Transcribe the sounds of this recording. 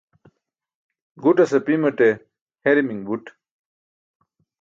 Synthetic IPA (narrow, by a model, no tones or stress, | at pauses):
ɡuʈɐsɐpimɐʈe | heɾimiŋbuʈ